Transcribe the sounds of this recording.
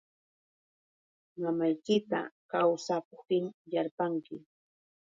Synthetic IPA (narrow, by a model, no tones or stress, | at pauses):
mamajkɪt̪a̰kawsakoχt̪ɪŋjaɾpaŋkɪ